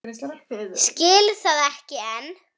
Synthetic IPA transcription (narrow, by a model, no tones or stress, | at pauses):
scɪːlθaðɛhcɪɛn